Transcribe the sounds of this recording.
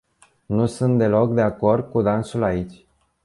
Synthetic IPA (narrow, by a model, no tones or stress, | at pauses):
nusunt̪̚d̪e̞lo̞k̚d̪e̞ako̞rd̪̚kud̪ansulait͡ʃʲ